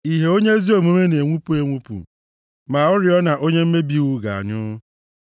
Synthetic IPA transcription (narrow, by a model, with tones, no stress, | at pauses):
i˨ɦe˨o˦ɲe˦zi˦o˨me˨me˦ne˨ŋʷu˦pu˦e˨ŋʷu˦pṵ˨ | ma˨ʊ˦ɾɪ˨ɔ˦na˨ʔo˦ɲe˦m̩˦me˦bi˦ɣu˦ɡa̰˨a̰˨ɲʊ˦